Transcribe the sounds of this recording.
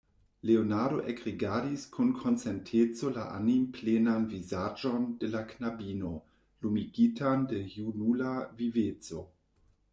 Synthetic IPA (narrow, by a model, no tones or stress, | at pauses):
leonaɾoʔekʁiɡadiskʰunkʰont͡sentʰet͡so̞laʔa̰nimplenanvizad͡ʒondelaknabino̞ | lumiɡitandejunulavivet͡so